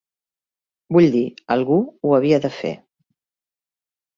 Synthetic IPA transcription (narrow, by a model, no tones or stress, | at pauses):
buʎd̪iəlˠɣuuəβ̞iəðəfḛ